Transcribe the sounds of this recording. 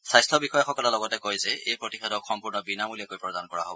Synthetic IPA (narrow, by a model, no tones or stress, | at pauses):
sajstʰɔbixɔjaxɔkɔlɛlɔɡɔtɛkojzɛejpɹotixʰadɔkxɔmpuɹnɔbinamulijakojpɹɔdankɔɹa̰ɦo̰bɔ